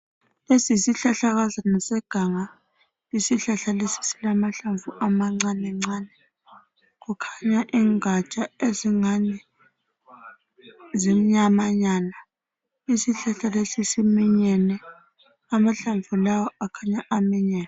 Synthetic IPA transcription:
lesisiɬaɬaɣazanɔsɛɡ̥ʱaŋa | isiɬaɬalesi̥silamaɬaɱvuʔamaŋ͡ǀanɛŋ͡ǀaːnɛ | k̬ukʰaɲaʔiːŋat͡ʃʼaeziŋanɛ | zimiɲamaɲana | isiɬaɬalesisimiɲɛnɛ | amaɬaɱvulawɔakʰaɲaʔamiɲɛːna

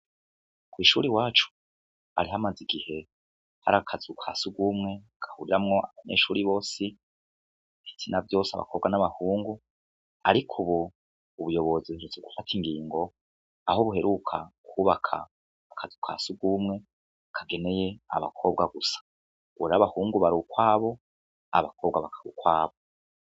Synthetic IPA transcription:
kwiːʃṵɾiwaːt͡ʃu̥ | a̰ɾiɦamaziɡihe̞ | ha̰ɾakʰazukʰasuɡumŋe̞ | kʰḁhuɾiɾamŋo̞aβaɲḛːʃuːɾiβo̞ːsi | βit͡sinavjo̞ːsaβa̰ko̞βɡanaβahuːŋɡu | aɾikʰuβu | uβujo̞βo̞ziuɾut͡seɡufatʰiŋɡiːŋɡo̞ | ahoβuhe̞ɾʔukʰakʰuːβakʰa̰ː | kʰazikʰa̰ːsuɡumŋe̞ | kʰaɡe̞ne̞je̞a̰βa̰kʰo̞ːbɡaɡusḁ | ɡuaβahuːŋɡuβaɾukwaːβo̞ | a̰βakʰo̞ːβɡaβakʰḁɾṵkwaːβo

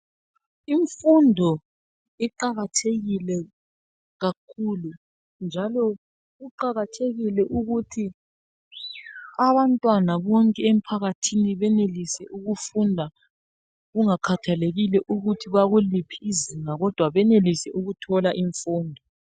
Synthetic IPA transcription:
iɱfundʱɔ | iǃaɣatʰeɣilɛ | ɣakʰulu | nd͡ʒʱalɔ | ɣuǃaɣatʰeɣilɛʔuɣutʰi | aβantʼwanaβɔŋkʼɛem̩pʰaɣatʰiniβɛnelisɛʔuɣufundʱa | ɣuŋakʰatʰaleɣilɛʔuɣutʰiβaɣulipʰiːziŋaɣɔd̥ʱwaβɛnelisɛʔuɣutʰɔlaʔiɱfuːndʱɔ

